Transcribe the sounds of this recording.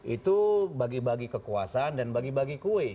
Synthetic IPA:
ʔit̪ubaɡibaɡikəkua̰sandanbaɡibaɡikuɛ

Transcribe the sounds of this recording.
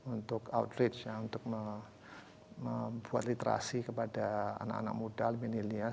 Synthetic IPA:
unt̪ʊkaṵt̪ɾɪt͡ʃjaunt̪ʊk̚mə | məbuat̪̚lit̪əɾa̰sikəpadaa̰na̰ka̰na̰k̚modalminilia

